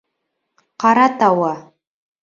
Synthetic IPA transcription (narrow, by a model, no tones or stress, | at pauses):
qʰɑɾatʰawa